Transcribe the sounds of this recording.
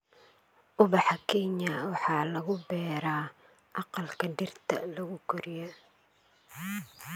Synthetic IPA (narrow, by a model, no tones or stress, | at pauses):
ʔʊbɑħɑkʰɛɲɐwɑħɑːlɐɣʊbɛːɾaː | ʔɑqɑlkʰɐdɪrt̪ʰɐ̰lɐɣʊkʰʊɾɪjɐ